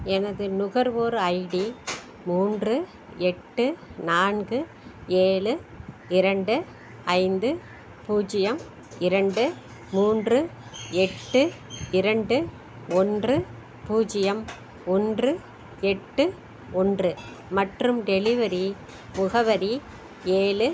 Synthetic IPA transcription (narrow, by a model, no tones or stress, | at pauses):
ɛnɐðɯnʊɣɐɾʋoːɾɐɪɽi | muːndrɯ | ɛʈːɯnaːnɡɯ | eːɭɯ | ɪɾɐɳɖɯ | ɐɪnd̪ɯ | puːd͡ʒɪjɐm | ɪɾɐɳɖɯ | muːndrɯɛʈːɯ | ɪɾɐɳɖɯ | ɔndrɯ | puːd͡ʒɪjɐm | ɔndrɯ | ɛʈːɯ | ɔndrɯ | mɐʈrɯmɖɛɭɪʋɐɾi | mʊɣɐʋɐɾi | eːɭɯ